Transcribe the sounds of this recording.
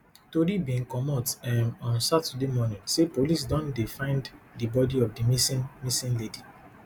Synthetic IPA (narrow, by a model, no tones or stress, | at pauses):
toɾibĩnkɔmɔtɛmɔ̃nsatudemɔnĩŋsepolis̬dɔ̃ndefãɪ̃nddibɔdiɔfdimisimisĩnledi